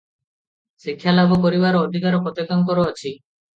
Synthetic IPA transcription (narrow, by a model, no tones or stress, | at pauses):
sikʰːjalabʱɔpɔɾibaɾɔːd̪ʱikaɾɔkɔt̪ekaŋkɔɾoat͡ʃʰi